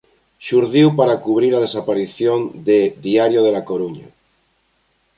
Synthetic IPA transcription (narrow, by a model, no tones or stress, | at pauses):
ʃuɾðiwpaɾakuβ̞ɾiɾað̞e̞sapaɾiθjond̪ed̪iaɾjoð̞elako̞ɾuɲa̰